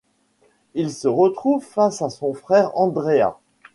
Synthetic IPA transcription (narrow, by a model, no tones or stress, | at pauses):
ilsəʁət̪χuvfasasɔ̃fχɛʁɑ̃d̪ʁea̰